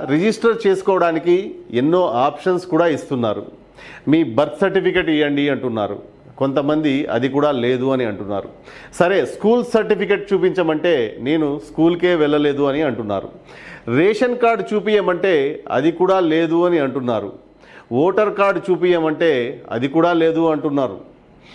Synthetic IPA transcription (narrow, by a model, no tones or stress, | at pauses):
ɾed͡ʒisʈɐɾt͡ʃe̞ːsu̥kɔːʋɐɽaːnikienːo̞ːʔaːpʂɐnskuːɽaːist̪unːaːɾṵ | miːbɐɾt̪sɐɾʈipik̬eʈijːɐɳɖiɐɳʈunːa̰ːɾṵ | ko̞nt̪ɐmɐnd̪iɐ̰d̪ikuːɽaːle̞ːd̪uɐniɐɳʈunːa̰ːɾṵsɐɾe̞ːskuːlsɐɾʈipʰikeʈ̚t͡ʃuːpiɲt͡ʃɐmɐɳʈe̞ːne̞ːnuskuːlke̞ːʋɛlːɐle̞ːd̪uɐniɐɳʈunːa̰ːɾṵ | ɾeːʂɐnkaːɾɖt͡ʃuːpijɐmɐɳʈe̞ːɐ̰d̪ikuːɽaːle̞ːd̪uɐniɐɳʈunːaːɾṵ | oːʈɐɾkaːɾɖt͡ʃuːpijɐmɐɳʈe̞ːɐ̰d̪ikuːɽaːle̞ːd̪uɐɳʈunːaːɾṵ